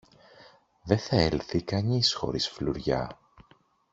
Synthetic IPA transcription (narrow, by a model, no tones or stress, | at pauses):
ðe̞θɐelθikɐɲisxo̞̰ɾisfluɾʝɐ̰